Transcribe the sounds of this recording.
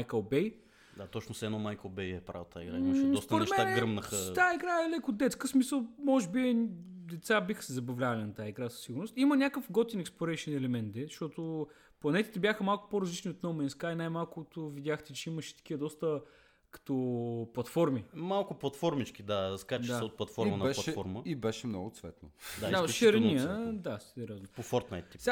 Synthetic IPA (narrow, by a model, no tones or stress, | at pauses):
ajkəlbɛj | d̪at̪ɔt͡ʃnʊsɛnomajkəlˠbɛjɛpɾa̰vot̪a̰iɡɾa̰imʃɛd̪ɔst̪ɾɛʃmɛtaɡɾəmnəxət̪aiɡɾaɛlɛkʊd̪ɛt̪skəsmisəlˠmɔʒɛbiɛd̪ɛt̪sabixə̥sɛzɐbɐvlʲavɐlʲinɐt̪aːɐiɡɾasə̥siɡʊɾnost̪imənʲakəfɡɔt̪ɛnɛksplˠoɾɛjʃnɛlɛmɛnt̪d̪ɛzʃt̪ɔt̪ʊ | plˠɐnɛt̪i̥t̪ɛbʲjaxəmalˠkʊ̥poɾɐzlit͡ʃnʲiot̪nomɛinskajinajmalˠkʊt̪ovid̪ʲaxt̪ɛt͡ʃɛiməʃɛ̥t̪ɐ̥k̟iəd̪ɔst̪ə | kɐ̥t̪ɔplˠɐt̪fɔɾmimalˠkʊplˠɐt̪fɔɾmit͡ʃkʲid̪askaɾt͡ʃd̪saot̪̚plˠɐt̪fɔɾmənɐbɛʃlˠɐɛfɔ̰ɾməibɛʃɛmnɔ̰ɡʊt̪svɛ̰t̪no̰d̪ad̪aʃɛɾɛniəd̪asɛd̪ɛɾʲɔznopofɔɾt̪na̰jt̪ːis